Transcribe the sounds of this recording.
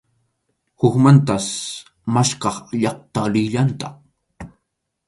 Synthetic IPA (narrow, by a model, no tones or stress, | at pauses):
hʊkmant̪as | maʃkɑχʎɑχ̚t̪alɪʎant̪ɑq